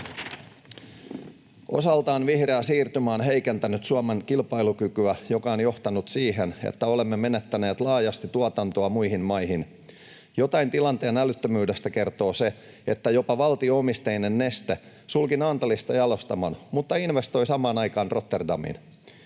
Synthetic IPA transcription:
ʔo̞̰sɑlt̪ɑːnʋihreæsiːrt̪ymæːnɦe̞jkent̪ænyt̪suɑmeŋkilpɑjlukykyæjo̞kɑonjo̞ht̪ɑnut̪siːɦenḛt̪ːæo̞le̞mːemenet̪ːæne̞ːt̪lɑːjɑst̪it̪uɑt̪ɑnt̪oɑmujhinmɑjhin | jo̞t̪ɑjnt̪ilɑnt̪eːnælyt̪ːømyːde̞st̪æke̞rt̪o̞ːse̞ | et̪ːæjo̞pɑʋɑlt̪ioomist̪ejnenːe̞st̪e | sulkinɑːnt̪ɑlist̪ɑjɑlo̞st̪ɑmɑnmut̪ːɑinʋest̪o̞jsɑmɑːnɑjkɑːnro̞t̪ːerdɑmḭn

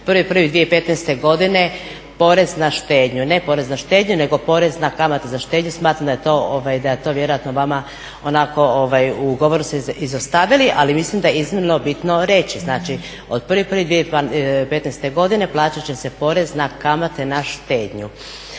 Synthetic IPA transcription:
pr̩ʋipr̩ʋid̪ʋijeipe̞t̪nest̪e̞ɡo̞d̪ine̞ | po̞ɾe̞znaʃt̪eːd̪ɲune̞po̞ɾe̞znaʃt̪e̞ːd̪ɲune̞ɡo̞po̞ɾe̞znakamat̪ezaʃt̪eːd̪ɲusmaːt̪ɾamd̪aje̞t̪o̞oʋajd̪ajet̪o̞ʋje̞ɾo̞jat̪noʋama | onako̞oʋajuɡoʋoɾuseizost̪aʋiliʔalimislimd̪ajeiznimno̞bit̪no̞ɾe̞t͡ɕiznaːt͡ʃi | o̞d̪̚pr̩ʋipr̩ʋid̪ʋiepe̞t̪nest̪e̞ɡo̞d̪ine̞plˠaːt͡ɕat͡ɕe̞se̞po̞ɾe̞znakamat̪e̞naʃt̪eːd̪ɲu

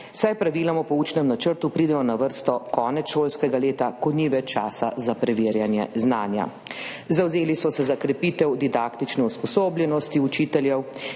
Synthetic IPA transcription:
sajpɾaʋiːlamɔpɔuːt͡ʃnɛmnat͡ʃəɾt̪upɾiːd̪ɛmɔnaʋəɾst̪ɔkɔːnɛt̪ʃoːlskɛɡaleːt̪akɔniːʋɛt͡ʃaːsa̰zapɾɛʋeːɾjanjɛ̰znaːnja̰ | zawzeːlisɔsɛzakɾɛpiːt̪ɛwd̪id̪akt̪it͡ʃnɛuspɔsoːbljɛnɔst̪iut͡ʃiːt̪ɛljɛw

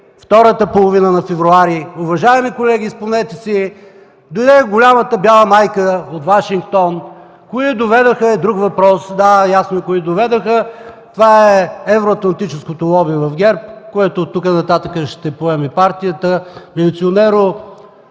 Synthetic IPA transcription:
ft̪ɔɾət̪əpolˠovinənɐfɛvɾʊaɾiʊvɐʒaɛmikolɛɡ̟ʲispomnɛjt̪ɛsi | d̪od̪ɛɡʊlʲamət̪əbʲjalˠəmajkəot̪vaʃiŋk̚t̪ɔn | koid̪ovɛd̪oxəɛd̪ɾukvɐpɾɔsd̪ajasnoɛkʊid̪ovɛd̪oxət̪ovaɛɛvɾoɐt̪lˠɐnt̪it͡ʃɛskot̪olˠɔbivɐfɡʲɛɾp̚koɛt̪ʊt̪ukənɐt̪at̪əkəʃt̪ɛpoɛmipaɾt̪ijət̪əmilit̪sionɛɾo

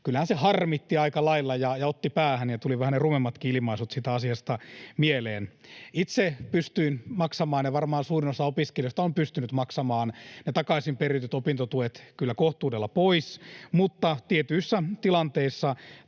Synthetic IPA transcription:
kylːæhænsehɑrmit̪ːiɑikɑlɑilːɑjɑjɑot̪ːipæːhænjɑt̪uliʋæhænnerumemːɑt̪kiilimɑisut̪siːt̪æɑsiɑst̪ɑmieleːnit̪sepyst̪yinmɑksɑmɑːnjeʋɑrmɑːnsuːrinosɑopiskelijost̪ɑompyst̪ynyt̪mɑksɑmɑːnnet̪ɑkɑisimperit̪yt̪opint̪ot̪uet̪kylːækoht̪uːdelːɑpoismut̪ːɑt̪iet̪yisːæt̪ilɑnt̪eisːɑ

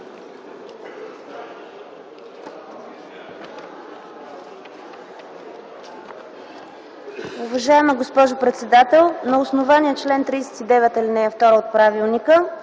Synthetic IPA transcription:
ʊvɐʒaɛməɡospɔʒʊpɾɛt̪sɛd̪at̪ɛlˠnɐʊsnovaniət͡ʃlɛnt̪ɾiːsɛ̥t̪id̪ɛvɛt̪ɐlinɛɛft̪ɔɾəot̪̚pɾavilˠnikə

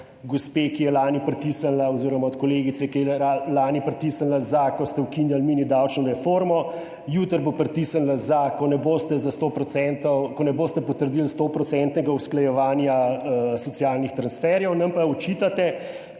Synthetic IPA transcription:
ɡospekijɛlaːnipɾɛt̪isanlaɔziːɾɔmaɔt̪koleːɡit̪sɛkiɛɛalaːnipɾɛt̪isanlazakɔst̪ɛwkinjalminid̪awt͡ʃnɔɾɛfoɾmɔ | jut̪əɾbopɾɛt̪isanlazakɔnɛboːst̪ɛzast̪opɾɔt̪sɛnt̪ɔwkɔnɛboːst̪ɛpɔt̪əɾd̪ilst̪opɾɔt̪sɛnt̪nɛɡausklajɛʋaːnjasɔt̪sijaːlnixt̪ɾansfɛɾjɛwnɐmpaɔt͡ʃiːt̪at̪ɛ

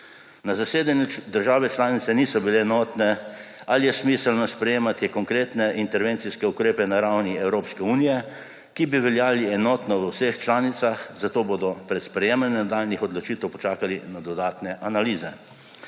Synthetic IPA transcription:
nazaseːd̪anjud̪əɾʒaːʋɛt͡ʃlaːnit̪sɛniːsɔbileːnɔːt̪nɛ | alijɛsmiːsəlnɔspɾɛjeːmat̪ikɔŋkɾeːt̪nɛʔint̪ɛɾʋeːnt̪siskɛukɾeːpɛnaɾawniɛwɾoːpskɛuːnijɛ | kibiʋɛljaːliɛnɔːt̪nɔʋəwsext͡ʃlaːnit̪saxzat̪oːboːd̪ɔpɾɛt̪spɾɛjeːmanɛnd̪aːlnixɔd̪lɔt͡ʃiːt̪ɛwpɔt͡ʃaːkalinad̪ɔd̪aːt̪nɛʔanaliːzɛ

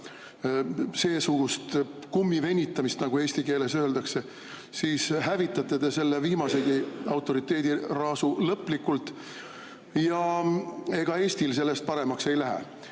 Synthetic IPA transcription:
se̞ːsuɡ̥ust̪kumːive̞nʲːit̪ˑːɑmist̪nɑɡ̥ueːsʲt̪ike̞ːle̞sø̞ːld̪̥ɑkse̞ | siːshævit̪ːˑɑt̪ːˑed̪e̞se̞lːeviːmɑse̞ɡiɑwt̪ːˑo̞ɾit̪ːˑe̞ːd̪irɑːsulɤpːˑlikːult̪ˑ | jɑ | e̞ɡ̥ɑe̞ːst̪ilse̞lːe̞st̪̚pɑɾe̞mɑkse̞jlæɦæ̰

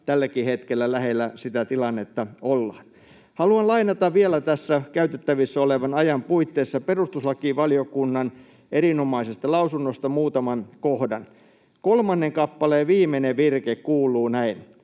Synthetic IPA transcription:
t̪ælːækihet̪kelːælæhelːˑæsit̪æt̪ilɑnːet̪ːɑolːɑ̰ːn | hɑluɑnlɑinɑt̪ɑʋʋielæt̪æsːækæyt̪et̪ːæʋisːæoleʋɑnɑjɑmpuit̪ːeːsːɑperust̪uslɑkiʋɑlijokunːɑn | ʔerinomɑisest̪ɑlɑusunːost̪ɑmuːt̪ɑmɑnkohdɑn | kolmɑnːeŋkɑpːɑleːʋiːmeneʋirkekkuːlˑuːnæin

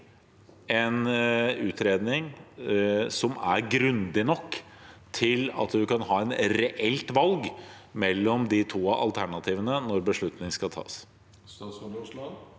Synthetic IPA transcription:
ɛnʉːt̪ʰɾeːd̪nɪŋ | sɔmæɾɡɾʉnd̪ɪnɔkː | t̪ʰɪlɑ̰t̪d̪ʉkʰɑnɦɑːɛnɾɛʔɛlt̪ʋɑlɡmɛlːɔmd̪ɪt̪ʰuːʔɑ̰lt̪ʰæɳɑt̪ʰiːʋənənɔɾbəʂɭʉt̪nɪŋskɑt̪ʰɑ̰ːs | s

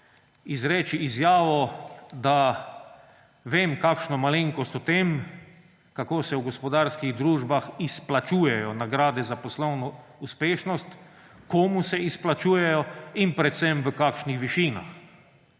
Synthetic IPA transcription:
izɾɛːt͡ʃiizjaːʋɔd̪a | ʋeːmkakʃnɔmaleŋkɔst̪ɔt̪em | kakoːsɛwɡɔspɔd̪aɾskiɣd̪ɾuːʒbaxisplat͡ʃuːjɛjɔnaɡɾaːd̪ɛzapɔslɔwnɔ | uspeːʃnɔst̪ | koːmusɛisplat͡ʃuːjɛjɔinpɾɛt̪sɛmʋəkakʃnixʋiʃiːna̰x

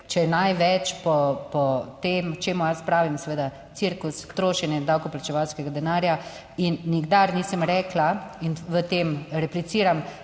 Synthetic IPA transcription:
t͡ʃɛɛnajʋɛt͡ʃpɔpɔt̪eːmt͡ʃeːmujaspɾaːʋimsɛʋeːd̪a | t̪siɾkust̪ɾoːʃɛnjɛd̪awkɔplat͡ʃɛʋawskɛɡad̪ɛnaːɾja | inːiɡd̪aɾniːsəmɾɛːklainʋət̪eːmɾɛplit̪siːɾam

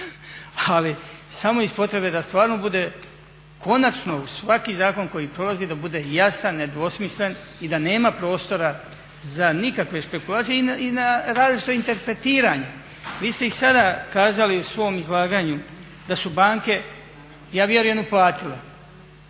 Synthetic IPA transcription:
alisamoispo̞t̪ɾe̞bed̪ast̪ʋaːɾno̞bud̪e̞ | kʰo̞nat͡ʃno̞usʋakizaːko̞nko̞jipɾo̞lˠazid̪abud̪e̞ːjasanːe̞d̪ʋo̞smisle̞n | id̪ane̞ːmapɾo̞ːst̪o̞ɾa | zanikakʋe̞spe̞kulˠaːt̪sijeiinaɾaːzlit͡ʃi̥t̪o̞int̪e̞ɾpɾe̞t̪iːɾaɲe | ʋiːst̪e̞isad̪akaːzaliusʋo̞mizlˠaːɡaɲu | d̪asubaːŋke̞ | jaːʋje̞ɾuje̞nuplaːt̪ile

